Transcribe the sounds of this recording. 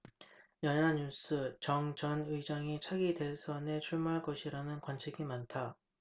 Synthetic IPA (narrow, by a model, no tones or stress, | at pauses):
jʌɲaɲus͈ʰɯt͡ɕʌŋt͡ɕʌnɯid͡ʑaŋit͡ɕʰaɡide̞sʰʌne̞t͡ɕʰuɭmaɦaɭk͈ʌɕʰiɾanɯnkwant͡ɕʰiɡimantʰa